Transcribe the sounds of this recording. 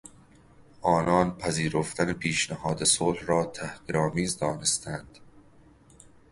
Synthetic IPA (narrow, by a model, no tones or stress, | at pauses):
ʔɒːnɒːnpʰæziːɾoft̪ʰænepʰiːʃnæhɒːd̪esolhɾɒːt̪ʰæhʁ̥iːɾɒːmiːzd̪ɒːne̞st̪ʰænd̪̥